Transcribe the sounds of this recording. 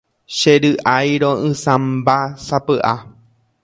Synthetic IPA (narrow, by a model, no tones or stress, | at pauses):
ʃeɾɨʔajɾõʔɨ̃sãmbasapɨʔa